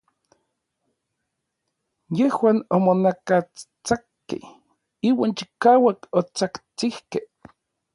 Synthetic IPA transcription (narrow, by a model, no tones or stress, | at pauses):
jehwaːnomonakat͡st͡sakːḛh | iːwaːnt͡ʃi̥kaːwakot͡sakt͡sihkeh